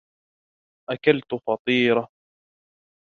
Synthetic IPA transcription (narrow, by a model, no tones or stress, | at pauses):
ʔakalt̪fɑt̪ˤiːɾa